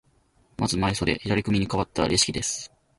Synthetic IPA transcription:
mʔazɨmaiso̞d̪e̞çid̪aɾʲikɯmʲiɲ̟ikaβat̪ːaa̰ɾʲʔiɕi̥kʲid̪e̞sɨ̥

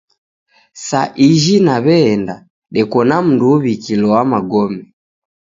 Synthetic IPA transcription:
saʔiʒinaβɛːnda | ɗɛkɔnam̩nduβikilɔwamaɡɔmɛ

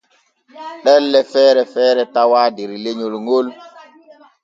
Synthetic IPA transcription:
ɗɛlːɛfɛːɾɛfɛːɾɛtawaːdiɾileɲolŋɡol

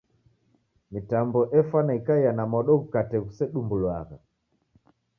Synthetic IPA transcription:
mitambɔʔɛfanaikaijanamɔɗɔkukatɛkusɛɗumbulwaɣa

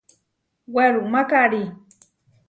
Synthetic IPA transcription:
weɾumakaɾi

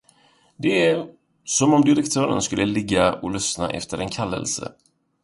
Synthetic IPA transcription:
d̪ɛæ | sɔmɔmd̪ɪɾɛkt̪ʰœːɾə̰nskɵlːəlɪɡːaɔlʏsna̰ʔɛ̰ft̪əɾɛnkʰalːə̰lsə̰

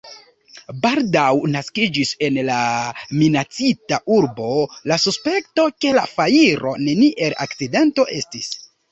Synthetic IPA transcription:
baldawnaskid͡ʒise̞nlaminat͡sitaʔuɾbo̞lasuspe̞kto̞ke̞lafaiɾʔo̞̰ne̞niʔe̞la̰kt͡side̞nto̞ʔe̞stis

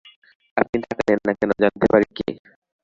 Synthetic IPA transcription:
apnit̪ʰakalenːakɛnod͡ʑant̪epaɾikḛ

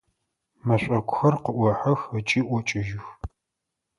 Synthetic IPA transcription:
mɐɕʷʼɐkʷʼʊxɐrqəʔʷɔħɐxɐt͡ʃʼiːʔʷɔt͡ʃʼɪʒɪx

